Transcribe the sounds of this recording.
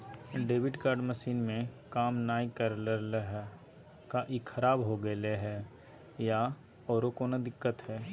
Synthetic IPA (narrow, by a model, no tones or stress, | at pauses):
ɖeːʋɪɖkaːɾɖməʃiːnmẽkaːmnaːikəɾləɾleɦɛ | kaʔikʰɐɾaːbɦoɡɐleɦɛː | ja | ɔːɾokoːnad̪ɪkːət̪ɦɛː